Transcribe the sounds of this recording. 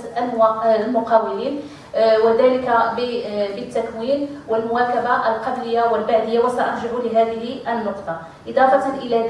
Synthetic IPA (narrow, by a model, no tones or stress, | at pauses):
llmʊqɑwɪliːn | wəd̪æːləkabbət̪ːækwiːnwəlmʊwækabaʔəlqɑb̪ləjːawəlbaʕd̪əjːawæsæʔɑɾˤʒabulɪɦæːd̪əɦiʔənːoqt̪ˤɑ | ʔɪd̪ˤɑːfɑt̪nʔəlæ